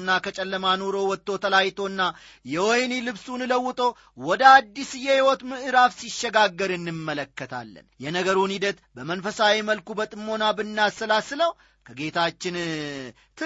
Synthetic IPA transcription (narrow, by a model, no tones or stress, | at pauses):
nːakʰət͡ʃʼɛlːəmanoɾo̞wɔt̪ːo̞t̪ʰəlajt̪ʰo̞ɨnːa | jɛwojnilɨβsunɨləwːʊt̪ʼo̞ | wɔd̪əad̪ːisɨjɛhiwɔt̪mɨʔɨɾafsiʃːɛɡaɡːəɾɨnːɨmːələkːət̪ʰa̰lːə̰njɛnəɡəɾunhid̪ət̪bəmənfəsawiməlkubət̪ʼɨmːo̞nabɨnːasːəlasɨləw | kʰəɡet̪ʰat͡ʃːɪn | t̪ʰɨ